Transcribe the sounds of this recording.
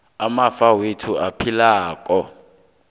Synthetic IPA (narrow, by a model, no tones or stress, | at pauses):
amafawetʰuapʰilaːkʼɔ